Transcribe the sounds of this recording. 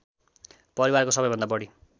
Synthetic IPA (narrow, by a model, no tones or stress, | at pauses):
pʌɾiwarkosʌbʌjbʌnd̪abʌɽi